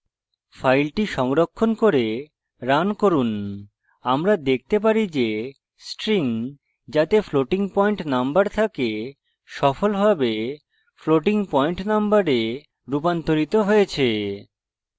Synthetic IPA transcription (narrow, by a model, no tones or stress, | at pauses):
fʰajlʈiʃɔŋɾokʰːonkoɾe | ɾankoɾun | amɾad̪ek̚ʰt̪ep̬aɾid͡ʑe | sʈɾiŋ | d͡ʑat̪efloʈiŋpɔiɳʈnambaɾt̪ʰake | ʃɔfolbʱabe | floʈiŋpɔiɳʈnambaɾe | ɾupant̪oɾit̪oɦojet͡ɕʰe